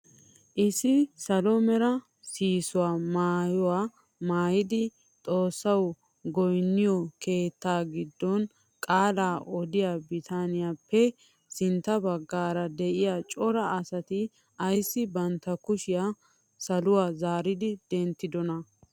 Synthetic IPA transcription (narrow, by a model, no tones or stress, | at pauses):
ʔɪsɪsɐlɔmɛɾɐ | siːsʊwaːmaːjɔwaː | maːjɪd̪ɪ | t̪ʼo̞ːsːɐw | ɡɔjnːɪjɔke̞ːt̪ːaːɡɪd̪ːɔn | kʼaːlaːʔɔd̪ɪjaːbɪt̪ʰaːnɪjapːɛ | sɪnt̪ːɐbɐɡːaːɾɐd̪ɛʔɪjaːt͡ʃʼɔɾɐɐsɐt̪ɪ | ɐjsːɪbɐnt̪ːɐkʊʃɪjaː | sɐlʊwaːzaːɾɪd̪ɪd̪̥ɛnt̪ːɪd̪ɔnɐ